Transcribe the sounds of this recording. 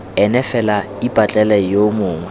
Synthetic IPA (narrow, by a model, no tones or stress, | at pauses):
ɛnɛfɛla | ipʼat͡ɬʼɛlɛjomʊːŋwɛ